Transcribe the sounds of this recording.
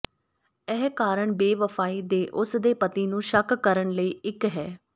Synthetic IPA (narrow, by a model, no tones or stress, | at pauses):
ɛːɦkaːɾəɳbeːʋəfʰaːiːd̪eːʔʊsd̪eːpət̪iːnũːʃəkkəɾəɳləiːɪkɦɛː